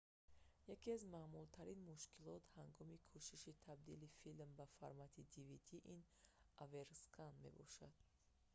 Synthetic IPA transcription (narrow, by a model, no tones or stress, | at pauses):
jakiazmamult̪ʰaɾinmuʃkʰilɔt̪haŋɡɔmikʰuʃiʃit̪ʰab̚d̪ilifilmbafaɾmat̪ʰid̪ivid̪iʔin | aveɾskʰanme̞̰bɔ̰ʃad̪̥